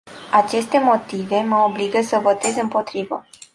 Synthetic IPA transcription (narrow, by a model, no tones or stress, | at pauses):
at͡ʃe̞st̪e̞mo̞t̪ive̞məobliɡəsəvo̞t̪e̞zɨmpo̞t̪ɾivə̰